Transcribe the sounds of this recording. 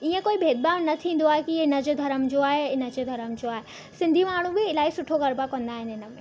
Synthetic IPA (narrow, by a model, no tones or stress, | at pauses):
iːẽkoːibʱeːd̪̚baːmnɐt̪ʰĩːn̆d̪oaːɦekiɪnə̆d͡ʑed̪ʱɐɾəmd͡ʑoːaːɦeɪnə̆d͡ʑeːd̪ʱɐɾəmd͡ʑoːaːɦe | sɪ̃nd̪ʱimaːɽ̤ũbɪɪlaːisʊʈʰoɣɐɾbakɐ̃nd̪aːɦɪ̃nɪnə̆mẽ